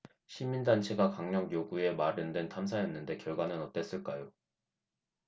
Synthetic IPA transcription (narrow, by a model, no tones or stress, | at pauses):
ɕʰimindant͡ɕʰe̞ɡakaŋɲʌŋjoɡue̞maɾɯndwe̞ntʰamsʰajʌnːɯnde̞kjʌɭɡwanɯnʌt͈e̞s͈ɯɭk͈ajo